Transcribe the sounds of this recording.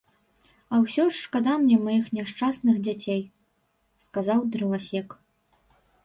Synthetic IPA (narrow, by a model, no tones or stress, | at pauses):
ɐwsʲɔʂːkad̪amnʲɛmajixnʲaʂt͡ʂasnɨxd͡zʲat͡sʲej | skazawd̪ɾɨvasʲɛk